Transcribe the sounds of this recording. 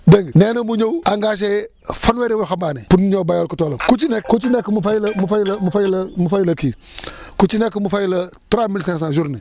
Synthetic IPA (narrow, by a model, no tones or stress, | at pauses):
deŋɡnenamuɲouaŋɡaʃ̬e | faneɾiwuxambaːnepunɲobajolkutolomkut͡ʃinekut͡ʃinekimufalmufalmufajilamufajilaki | kut͡ʃinekimufajilatuɾamilseŋs̬ãʒuɾni